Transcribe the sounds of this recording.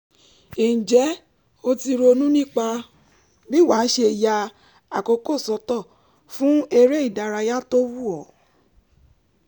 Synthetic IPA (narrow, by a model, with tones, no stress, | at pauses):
ĩ˨d͡ʒɛ˨˦ | o˧ti˧ɾo˧nũ˦nĩ˦k͡pa˧ | bi˦wa˨˦ʃe˧ja˧ | a˨ko˧ko˦˨sɔ˧tɔ˦˨ | fũ˦e˧ɾe˦i˦˨da˨˧ɾa˧ja˦to˦wu˦ɔ˨